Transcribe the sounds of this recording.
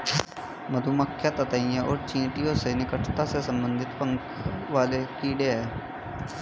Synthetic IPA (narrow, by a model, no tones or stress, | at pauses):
məd̪ʱuməkʰːjat̪ɐt̪əijẽʔɔːɾt͡ʃĩːʈijõsenɪkəʈʰt̪asesə̃mbə̃nd̪ʱɪt̪pə̃ŋkʰ | ʋaːlekiːɖeɦɛː